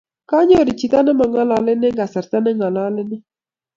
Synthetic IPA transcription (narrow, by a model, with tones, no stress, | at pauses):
ka˦ɲɔ˦˨ɾi˨t͡ʃi˨t̪a˦nɛ˦ma˨ŋa˦la˨lɪ˦nɛ˦ŋɡa˨sa˨ɾta˦nɛ˦ŋa˨la˦lɪ˦nɪ˦